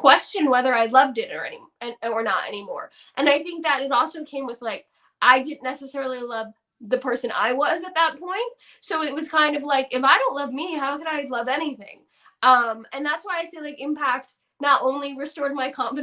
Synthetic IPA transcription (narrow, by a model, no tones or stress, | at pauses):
kʰw̥ɛst͡ʃɨ̃nwɛðə˞aɪlʌvdɨɾə̰˞ɛ̰nḭə˞nə̰ɾɛ̰nimɔ̰ɹ | ʔɨ̃naɪθɪ̃ŋk̚ðɨɾɨɾɔlˠsoʊkʰẽɪ̃mwɨð̥laɪk | ʔaɪdɪdⁿn̩nɛsɨsɛɹl̩ˠilʌv | ðɨpʰɜ˞sɨ̃na̰ɪwʌzɨt̪̚ðət̚pʰɔ̃ɪ̃nt̚ | soʊɨt̚wʌz̥kʰãɪ̃ndʌvlaɪkɨfaɪɾõʊ̃nʔˡlʌvmiɦaʊkɨ̃naɪlʌvɛñiθɪ̰̃ŋ | ʔʌ̃mɨ̃nðætswaɪaɪseɪlaɪkɨ̃mpʰæk̚t | nəɾʔõʊ̃nliɹɨstɔɹd̚maɪkʰɑ̃ɱfɨ